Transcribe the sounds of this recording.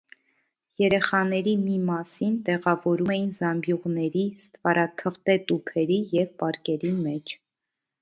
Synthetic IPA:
jɛɾɛχɑnɛɾimimɑsint̪ɛʁɑvɔɾumɛjinzɑmbjuʁnɛɾist̪vɑɾʔɑt̪ʰəʁt̪ɛt̪upʰɛɾijɛvpɑɾkɛɾimɛt͡ʃʰ

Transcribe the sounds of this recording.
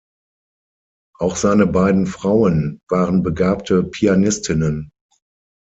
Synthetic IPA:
ʔaʊxz̥aɪnəbaɪdn̩fʁ̥aʊənv̥aːʁənbəɡaːp̚tʰəpʰianɪstʰɪnən

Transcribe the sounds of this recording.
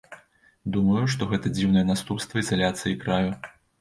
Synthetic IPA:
d̪umɐjuʂt̪ɔɣɛt̪ɐd͡zʲiwnɐjɛnast̪upst̪vɐizalʲat̪sɨjikɾaju

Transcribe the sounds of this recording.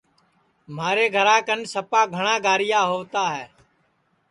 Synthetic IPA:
maːɾeːɡʱəɾãːkənsəpaːɡʱəɳ̃ãːɡaːɾɪjaːɦoːt̪aːɦɛː

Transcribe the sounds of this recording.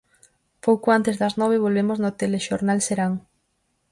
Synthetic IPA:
powkoant̪ezðɐznɔβeβ̞olβemoznot̪eleʃoɾnalseɾaŋ

